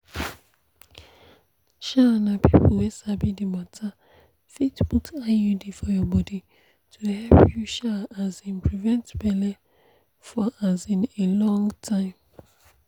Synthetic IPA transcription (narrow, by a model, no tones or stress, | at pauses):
ʃanapʰipl̩wɛsabidimatʰa | fitbukajudifɔjɔbɔdi | tʰuhɛlpjuʃaazĩnpʰɹivɛ̃ntbɛlɛ | fɔazĩnelɔ̃ŋtʰãɪ̃m